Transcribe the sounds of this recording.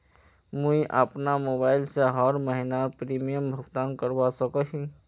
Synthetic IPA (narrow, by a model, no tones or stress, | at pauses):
mũĩʔəpnamoːbaːɪlseɦɔːɾməɦɪnapɾiːmijəmbʱʊɡt̪aːnkəɾwasəkəɦĩ